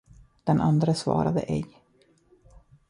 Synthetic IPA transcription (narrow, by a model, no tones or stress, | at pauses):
d̪̥ɛnʔand̪ɾəsvɑ̰ːɾad̪ə̰ʔɛɡ